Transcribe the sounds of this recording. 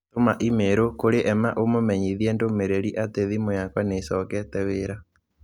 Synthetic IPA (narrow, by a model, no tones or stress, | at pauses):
tomaʔimeɾokoɾeʔɛmaʔomomɛɲiðiɛndomeɾeɾiʔateðimojakwanesɔkɛtɛweɾa